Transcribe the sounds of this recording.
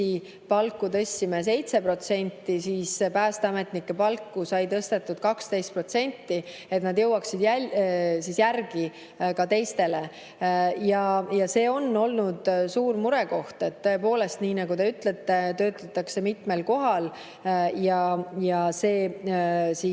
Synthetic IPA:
i | pɑlkːˑut̪ɤ̞sʲːimes̬e̞jt̪se̞pro̞t̪se̞nʲt̪ːisiːspæːst̪eɑme̞t̪ˑnikːe̞pɑlkːusɑjt̪ɤst̪e̞t̪ːˑud̪̥kɑkst̪e̞jst̪̚pro̞t̪se̞nʲt̪ːi | e̞t̪nɑd̪jɤwːɑksid̪̥jæsisjærɡi | kɑt̪e̞jst̪e̞le | jɑjɑse̞ːo̞nːo̞lnud̪̥suːɾmuɾɛ̞ko̞ht̪e̞t̪ːɤe̞po̞ːle̞st̪niːnɑɡut̪e̞yt̪let̪ːe̞t̪ø̞ːt̪ːˑɑt̪ːˑɑkse̞mit̪melko̞ɦɑl | jɑjɑse̞ː | si

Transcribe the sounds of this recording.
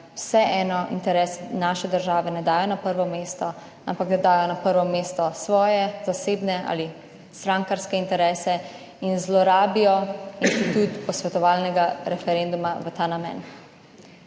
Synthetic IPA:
wsɛʔɛːnɔint̪ɛɾɛːsnaːʃɛd̪əɾʒaːʋɛnɛd̪aːjɔnapəɾʋɔmeːst̪ɔ | a̰mpakd̪ɛd̪aːjɔnapəɾʋɔmeːst̪ɔsʋɔːjɛzaseːbnɛa̰ːli | st̪ɾaːŋkaɾskɛint̪ɛɾɛːsɛ | inzlɔɾaːbijɔinst̪it̪ut̪pɔsʋɛt̪ɔʋaːlnɛɡaɾɛfɛɾend̪umaʋət̪aːnamɛ̰ːn

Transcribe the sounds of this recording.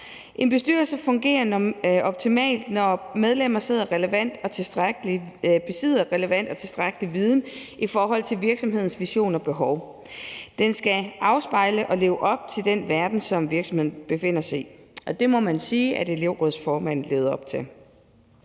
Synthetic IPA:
ʔe̝nb̥e̝sd̥yːɐlsəfɔ̽ŋɡ̥e̝̰ːɐnɒ̽b̥̚t͡sʰimɛ̰ːld̥nɒmeð̞ˠlem̰ɐse̝ðˠɐʁɛləʋæn̰d̥ɒ̽t͡sʰe̝sd̥ʁaɡ̥lib̥e̝seð̰ˠɐʁɛləʋæn̰d̥ɒ̽t͡sʰe̝sd̥ʁaɡ̥əliʋið̞ˠn̩ʔifɒːɦɒ̽l̰t͡sʰe̝lʋiɐɡ̥sɒ̽mɦe̝ð̰ˠn̩sʋiɕo̝̰ːnɒ̽b̥e̝ɦɒʊ | d̥ensɡ̥æʔɑ̈ʊsb̥ɑ̈ɪ̰ləʔɒ̽le̝ːʊʔɒ̽b̥̚t͡sʰe̝ld̥enʋæɐd̥n̩sɒ̽mʋiɐɡ̥sɒ̽mhe̝ð̰̩ˠb̥e̝fe̝n̰ɐsɑ̈ɒ̽d̥e̝mɒ̽mænsiːʔæde̝le̝ʊʁɔðˠsfɒːmæn̰n̩le̝ːʊð̞ˠɐɒ̽b̥̚t͡sʰe̝l

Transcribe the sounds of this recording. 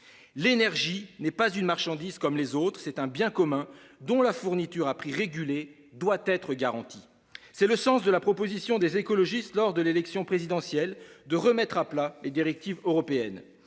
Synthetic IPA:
lenɛʁʒinɛpazynmaʁʃɑ̃d̪iz̥kɔmlezot̪χsɛt̪ɛ̃bjɛ̃kɔmɛ̃d̪ɔ̃lafuʁnit̪yʁapχiʁeɡʲyle | d̪wat̪ɛt̪χəɡaʁɑ̃t̪i | sɛləsɑ̃sd̪əlapχɔpozisjɔ̃d̪ezekɔlɔʒist̪lɔʁd̪əlelɛksjɔ̃pχezid̪ɑ̃sjɛld̪əʁəmɛt̪χaplaled̪iʁɛk̚t̪ivøʁɔpeɛn

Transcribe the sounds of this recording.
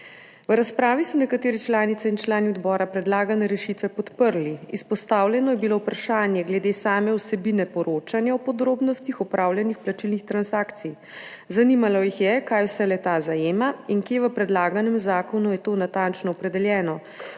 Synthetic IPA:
ʋəɾaspɾaːʋisɔnɛkat̪eːɾit͡ʃlaːnit̪sɛint͡ʃlaːniɔd̪bɔːɾapɾɛd̪laːɡanɛɾɛʃit̪ʋɛpɔt̪pəɾliispɔst̪aːwljɛnɔjɛbilowpɾaʃaːnjɛɡlɛd̪eːsaːmɛwsɛbinɛpɔɾoːt͡ʃanjaɔpɔd̪ɾoːbnɔst̪ixɔpɾʔaːwljɛnixplat͡ʃilnixt̪ɾansaːkt̪sij | zanimalɔjixjɛkajwsɛlɛt̪azajeːmaiŋkjeːʋəpɾɛd̪laːɡanɛmzaːkɔnujɛt̪oːnat̪ant͡ʃnɔːpɾɛd̪ɛljɛːnɔ

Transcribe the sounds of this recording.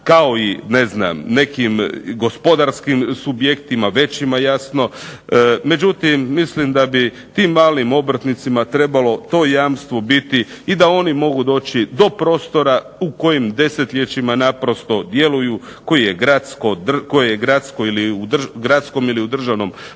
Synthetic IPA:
kao̞ine̞zna̰mne̞kimɡo̞spo̞d̪aɾskimsubjekt̪imaʋe̞t͡ɕimajasno̞ | me̞d͡ʑut̪imːislimd̪abi | t̪imːaːlimo̞bɾ̩t̪nit̪simat̪ɾe̞balo̞t̪o̞jaːmst̪ʋo̞bit̪iːd̪ao̞nimo̞ɡud̪o̞ːt͡ɕid̪o̞pɾo̞ːst̪o̞ɾa | uko̞jimd̪e̞se̞t̪ʎʲet͡ɕimanapɾo̞st̪o̞d̪je̞luju | ko̞jijeɡɾat̪skod̪rko̞jejeɡɾat̪skoiliud̪rɡɾat̪sko̞miliud̪r̩ʒaʋno̞m

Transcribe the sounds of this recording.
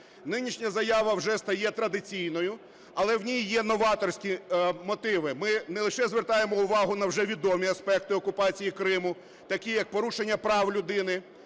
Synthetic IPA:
nɪnʲiʃnʲɐzɐjɑʋɐwʒɛst̪ɐjɛt̪ɾɐd̪ɪt͡sʲijnɔjʊ | ɐlˠɛwnʲijjɛnɔʋɑt̪ɔrsʲkʲimɔt̪ɪʋɪmɪnɛlˠɪʃɛzʋert̪ɑjemɔʊʋɑɦʊnɐwʒɛʋʲid̪ɔmʲiɐspɛk̚t̪ɪɔkʊpɑt͡sʲijikɾɪmʊ | t̪ɐkʲijɐk̚pɔɾuʃenʲːɐpɾɑwlʲʊd̪ɪnɪ

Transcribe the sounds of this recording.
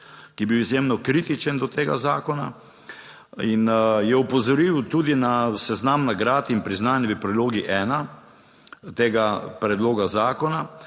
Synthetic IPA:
kijɛbiwizjeːmnɔkɾiːt̪it͡ʃənd̪ɔt̪eːɡazaːkɔna̰ | injɛupɔzɔɾiwt̪ud̪inasɛznamnaɡɾaːt̪inpɾiznaːnjɛʋəpɾɛd̪loːɡiʔɛːna | t̪eːɡapɾɛd̪loːɡazaːkɔna

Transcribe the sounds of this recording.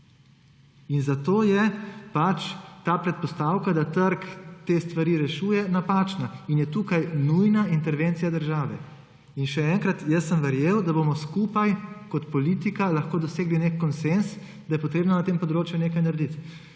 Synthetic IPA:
inzat̪oːjɛpat͡ʃt̪aːpɾɛt̪̚pɔst̪aːwkad̪at̪əɾkt̪eːst̪ʋaɾiɾɛʃuːjɛnapaːt͡ʃnainjɛt̪uːkajnujnaint̪ɛɾʋent̪sijad̪əɾʒaːʋɛ | inʃɛɛŋkɾat̪jəsːəmʋɛɾjeːwd̪aboːmɔskupajkɔt̪pɔliːt̪ikalaxkoːd̪ɔseːɡlinekːɔnsens | d̪ajɛpɔt̪ɾeːbnanat̪eːmpɔd̪ɾoːt͡ʃjuneːkajnaɾd̪it̪

